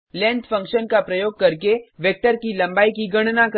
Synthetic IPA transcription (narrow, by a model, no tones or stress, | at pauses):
lɛ̃ːnt̪fɐ̃ŋkʃənkapɾɐjoːɡ̚kɐɾkeʋek̚ʈəɾkilɐ̃mbaːikiɡɐɽ̃nak